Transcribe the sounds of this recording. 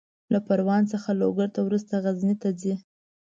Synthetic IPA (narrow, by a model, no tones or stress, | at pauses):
lapaɾwɑnt͡səxaloɡaɾt̪awɾust̪aɣaznit̪ad͡zi